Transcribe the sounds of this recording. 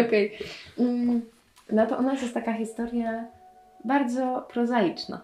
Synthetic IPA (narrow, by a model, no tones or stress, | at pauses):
ɔkɛj̩ | nat̪ɔʔɔnasjɛst̪t̪akaxʲist̪ɔɾja | baɾd̪zɔpɾɔzajit͡ʂna̰